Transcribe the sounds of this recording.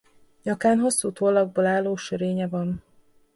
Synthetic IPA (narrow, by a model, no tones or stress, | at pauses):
ɲɒkaːnɦo̞sːuːt̪oːlːɒɡ̚boːlaːlːoːʃøɾeːɲɛvɒn